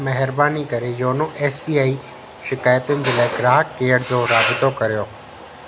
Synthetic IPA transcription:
mɛɦɪɾbaːnikɐɾejoːnoʔɛːsbiːaːi | ʃɪkaːjət̪ʊnɪ̆d͡ʑeːlaːɪkɪɾaːɦkːeːəɽd͡ʑoːɾaːbɪt̪okɐɾijoː

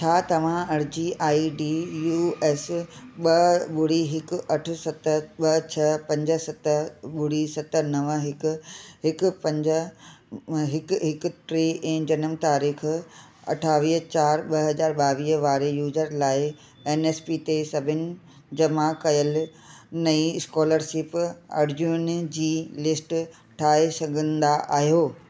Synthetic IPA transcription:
t͡ɕʰaːt̪ɐʋ̤ãɐɾd͡ʑiːʔaːiɖiːjuːeːsɓɐɓʊɽ̤iɦɪkɐʈʰʊ̆sɐt̪əɓɐt͡ɕʰɐpɐ̃ɲd͡ʑə̆sɐt̪əɓʊɽ̤isɐt̪ənɐʋəɦɪkʊ̆ɦɪkʊpɐ̃ɲd͡ʑə | ɦɪkɦɪk̆ʈɾeːʔɛ̃ːd͡ʑɐnəmt̪aːɾiːx | ɐ̰ʈʰaːʋiːɦt͡ɕaːɾɓɐɦɐzaːɾɓaːʋiːɦʋaːɾejuːzəɾlaːɪ | eːneːspit̪esɐbʱɪnɪ̆ | d͡ʑɐmakɐjəl | nɐiɪskɔːləɾʃɪpa̰ːɾd͡ʑuːnd͡ʑiːlɪsʈ | ʈʰaːesɐɡʱə̃nd̪aʔaːɦijoː

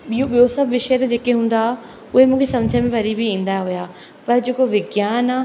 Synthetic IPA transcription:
ɓijoɓijosɐbʋɪʃəjət̪ed͡ʑeːkeɦũːn̆d̪aː | ʊɦemũːkʰesɐ̃ʋd͡ʑʱə̃mẽʋɐɾibʱiĩːn̆d̪aɦʊjaː | pɐɾd͡ʑeːkoʋɪɡjaːnaː

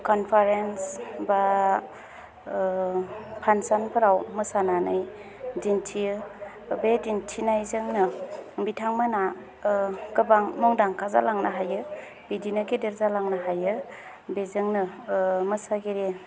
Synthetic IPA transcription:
kɔnpʰaɾensba | pʰansanpʰɯɾawmɯsananɯj | dintʰi | bedintʰinajzɯŋnɯbitʰaŋmɯna | kɯbaŋmɔŋdaŋkʰaza̰laŋnaɦajɯ | bidinaɡedeɾzalaŋnaɦajɯ | bezɯŋnɯmɯsaɡeɾe

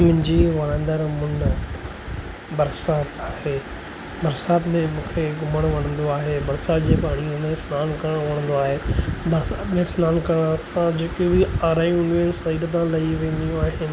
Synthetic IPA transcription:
mʊ̃ɦɪ̃ɲd͡ʑiʋɐɾãːnd̪əɾmʊn | bɐɾsaːt̪aːɦeː | bɐɾsaːt̪mẽmũːkʰeɡʱʊməɽ̃ʋɐɽ̃ə̃nd̪oaːɦebɐɾsaːt̪d͡ʑeːpaːɽ̃iʊnsnaːnkɐɾəɽ̃ʋɐɽ̃ə̃nd̪oaːɦebɐɾsaːt̪mẽsnaːnkɐəɽ̃ɐsãd͡ʑeːkobiaːɾaːj̃ũnẽsɐiːdəd̪ãlɐiʋẽːnd̪ijũaːɦen

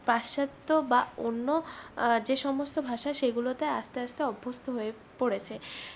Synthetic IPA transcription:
paʃat̪ːobaonːod͡ʑeʃɔmost̪obʱaʃaʃeɡulot̪eaʃt̪east̪eɔbʱːost̪ʰoɦoe | poɽet͡ɕʰe

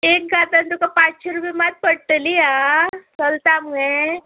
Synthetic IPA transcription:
ek̚ɡat̪ant̪ukapat͡sɕeɾupimat̪̚pəɽʈəliasəlt̪amɡe

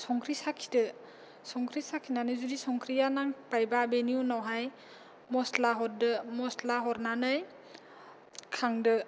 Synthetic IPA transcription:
sɔŋkʰɾisakʰi̥dɯ | sɔŋkʰɾisakʰinanɯzudisɔŋkʰɾijanaŋpajbabeniunawɦaj | mɔslaɦɔɾ̚dɯmɔslaɦɔɾnanɯj | kʰaŋdɯ

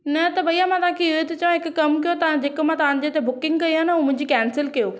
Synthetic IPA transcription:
nɐt̪ɐbɐijamãt̪ɐãkʰeʊɦet̪et͡ɕɐʋãɦɪkːɐmkɐjot̪ɐʋãd͡ʑekmãt̪ɐʋ̤ãɲ̃d͡ʑeːt̪ebʊkɪ̃ŋɡ̚kɐiɦanəuːmʊ̃ɦɪ̃ɲd͡ʑikɛːnsɪlkɐjoː

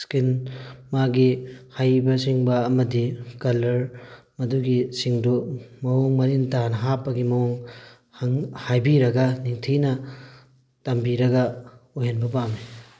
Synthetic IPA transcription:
skinmaɡihajbɐsiŋbɐːmɐdikɐlɐɾ | mɐduɡisiŋdumɐoŋmɐɾintanɐɦapːɐɡimɐwoŋ | haŋhajbiɾɐɡɐniŋtʰinɐ | tɐmbiɾɐɡɐojɦenbɐpami

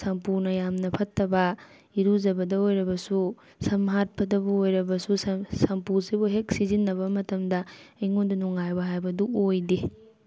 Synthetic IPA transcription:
sɐmpunɐjamnɐpʰɐtːɐbɐ | iɾuzɐbɐdɐojɾɐbɐsu | sɐmɦat̚pɐdɐbuojɾɐbɐsusɐmpusibuɦek̚sizinːɐbɐmɐtɐmdɐjŋondunuŋajbɐɦajbɐduojdi

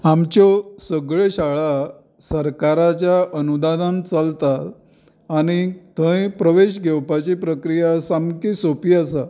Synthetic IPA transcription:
amt͡ɕjɔsəɡɭeɕaɭa | səɾkaɾat͡ɕjaʔənud̪ad̪ãnt͡salt̪at̪ | aɽ̃it̪ʰə̃ẽpɾəʋeɕɡʱewpat͡ɕipɾəkɾijasamkisopiasa

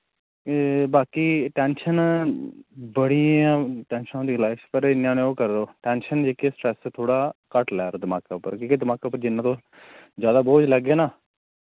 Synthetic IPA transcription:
baːkiːʈɛːnʃən | bəɽiːãːʈɛ̃ːnʃnãːd̪iːɡlaːɪʃpəɾɪnãːneːoːkəɾd̪oːʈɛːnʃənd͡ʒeːkeːsʈɾɛst̪ʰoːɽaːkəʈlɛːɾd̪əmaːkaːpəɾkĩːkeːd̪əmaːkaːpəɾd͡ʒɪnːãːt̪õː | zjaːd̪aːboːd͡ʒləɡeːnaː

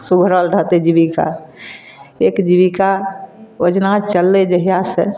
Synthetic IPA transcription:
suɡʱɾəlɖʱət̪ed͡ʒibika̰ | ekd͡ʒiβika | od͡ʒnat͡ʃəlːed͡ʒəɦijasḛ

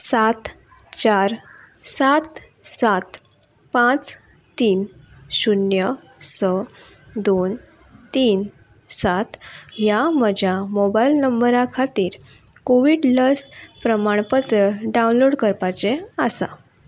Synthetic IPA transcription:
sat̪ | t͡ɕaɾ | sat̪ | sat̪ | pãt͡s | t̪iːnɕunjə | səd̪on | t̪iːn | sat̪ɦjam̤əd͡ʑʱjamobailnəmbəɾakʰat̪iːɾ | koʋiɽləspɾəmaɳpət͡səɖaũnloɽkəɾpat͡seəsa̰

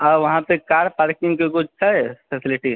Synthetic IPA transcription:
ɔʋɐɦãpekaɾpaɾkĩŋɡkekut͡ʃʰsʰɛpʰesiliʈi

